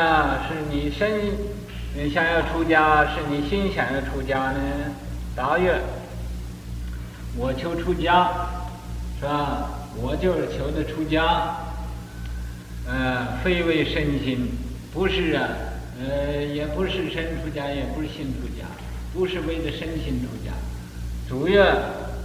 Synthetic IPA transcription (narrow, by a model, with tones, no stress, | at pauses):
a˧˩ʂɻ̩˥˩ni˨˩ʂə˥n˥ | n˧˩ɕjɑ˨˩ŋjɑ˥˩ʊʈ͡ʂʰu˥t͡ɕja˥ʂɻ̩˥˩ni˨˩ɕi˥nɕjɑ˨˩ŋjɑ˥˩ʊʈ͡ʂʰu˥t͡ɕja˥nə˧˩ | t̪a˧˥jɛ˥˧˩n | wɔ˨˩t͡ɕʰjo˧˥ʊʈ͡ʂʰu˥t͡ɕja˥ | ʂa˧˩wɔ˨˩t͡ɕjo˥˧ʊʂɻ̩˥˩t͡ɕʰjo˧˥ʊd̪ə˧ʈ͡ʂʰu˥t͡ɕja˥ | ə˧fe˥ɪwe˥˧ɪʂə˥nɕi˥npu˧˥ʂɻ̩˥˩ɐ˩˧ | jɛ˨˩pu˧˥ʂɻ̩˥˩ʂə˥nʈ͡ʂʰu˥t͡ɕja˥jɛ˨˩pu˧˥ʂɻ̩˥˧˩ɕi˥˩nʈ͡ʂʰu˥t͡ɕja̰˥ | pu˧˥ʂɻ̩˥˧we˥˩ɪdə˨ʂə˥nɕi˥nʈ͡ʂʰu˥t͡ɕja̰˥ | t͡su˨˩jɛ˥˩